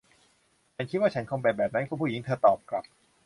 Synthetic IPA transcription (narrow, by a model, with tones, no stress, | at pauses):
t͡ɕa˦˥˩kʰi˦˥t̪̚waː˥˩t͡ɕʰa˦˥nkʰoː˧ŋbɛː˨˩bɛː˨˩p̚na˦˥nkʰu˥˩pʰuː˥˩ji˩˦ŋt̪ʰɤː˧t̪ɔː˨˩p̚kla˨˩p̚